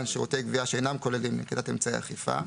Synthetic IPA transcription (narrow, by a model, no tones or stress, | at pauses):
nʃeoteɡviaʃeenamko̞lelimːḭkidatemt͡saḛa̰χifa̰